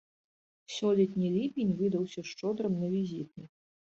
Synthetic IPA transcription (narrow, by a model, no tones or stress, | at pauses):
sʲɔlʲɛt̪ʲnʲilʲipʲinʲvɨd̪ɐwsʲɐʂt͡ʂɔd̪ɾɐmnɐvʲizʲit̪ʲi